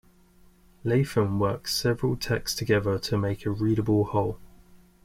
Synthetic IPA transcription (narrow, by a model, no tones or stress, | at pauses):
leɪfə̃nwɜˑksɛvəɹəlˠtʰɛkstʰəɡɛðətʰəmeɪkʰəɹiːɾəbəlˠhɒʊlˠ